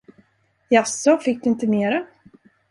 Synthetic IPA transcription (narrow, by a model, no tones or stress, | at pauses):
jasːɔfɪk̚ːd̪ɵɪnt̪əneːɾa